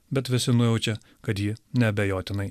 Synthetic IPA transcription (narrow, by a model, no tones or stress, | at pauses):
bʲɛt̪ʋʲɪsʲɪnʊjɛʊt͡ʃʲɛ | kɐt̪jiːnʲɛɐbʲɛjoːt̪ʲɪnɐɪ